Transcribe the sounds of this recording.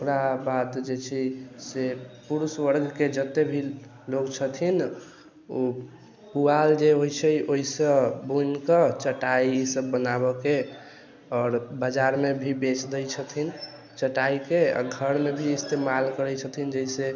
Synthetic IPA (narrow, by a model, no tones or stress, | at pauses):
okɾabad̪d͡ʒet͡ʃʰisepuɾuswəɾɡked͡ʒət̪ebʱi | loɡt͡ʃʰət̪ʰin | o | kuald͡ʒeɦojt͡ʃʰɛoisə̃bunkət͡ʃəʈaiisəbːənaβɔke | ɔːɾbəd͡ʒaɾmebʱibet͡ʃd̪əjt͡ʃʰət̪ʰin | t͡ʃəʈaikea̰ɡʱəɾmebʱiːst̪emalkəɾɛt͡ʃʰət̪ʰind͡ʒəise